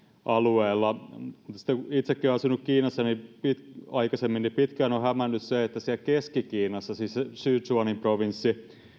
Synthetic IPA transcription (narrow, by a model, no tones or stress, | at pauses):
ʔɑlueːlːɑmut̪ːɑsi̥t̪ːekuit̪sekːioɑsunukkiːnɑsːɑnipit̪ɑikɑsemːinːipit̪kæːnohæmænːysseet̪ːæsiælkeskikiːnɑsːɑsisesyːsuɑnimproʋinsːi